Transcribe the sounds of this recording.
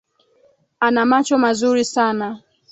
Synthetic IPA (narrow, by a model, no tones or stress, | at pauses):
anamat͡ʃɔmazuɾisana